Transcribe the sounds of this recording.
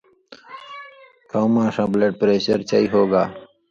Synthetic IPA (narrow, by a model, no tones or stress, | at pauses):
kʰawmãːsãːbleːʈ̚pɾeːɕəɾt͡ʃaːiɦoːɡaː